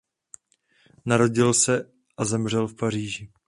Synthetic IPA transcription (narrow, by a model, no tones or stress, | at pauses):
naɾo̞ɟɪlsɛ | ʔazɛmr̝ɛlfpar̝iːʒɪ